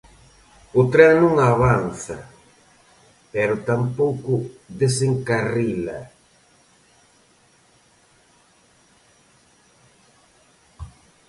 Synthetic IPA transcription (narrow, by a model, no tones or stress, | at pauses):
ʊt̪ɾɛnũŋaβanθɐ̰ | pɛɾʊt̪ampowkʊðeseŋkarilɐ̰